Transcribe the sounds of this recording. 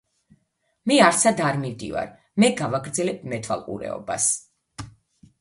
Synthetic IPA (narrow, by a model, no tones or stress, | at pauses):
mɛaɾsad̪aɾmivd̪ḭva̰ɾ | mɛɡavaɡɾd̪zɛlɛb̚ʰmɛt̪ʰva̰lˠqʼṵɾɛ̰ɔ̰ba̰s